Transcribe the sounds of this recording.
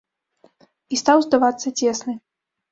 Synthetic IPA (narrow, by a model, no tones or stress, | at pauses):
ist̪awzd̪avat̪sːɐt͡sʲɛsnɨ